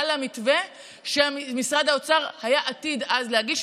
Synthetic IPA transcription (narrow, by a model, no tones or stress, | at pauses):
lamitve | ʃeamisʁad̪haot͡saʁhajaʔatidazleaɡiʃ